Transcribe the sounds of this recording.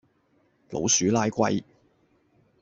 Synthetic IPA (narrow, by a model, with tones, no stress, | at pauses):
lo̰˨˥wsyː˨˥laː˥jkʷɐ̰˧j